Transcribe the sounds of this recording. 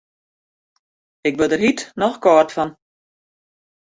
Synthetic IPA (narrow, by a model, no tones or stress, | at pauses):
ɪk̚bədərɦitnɔxkɔːrtfɔn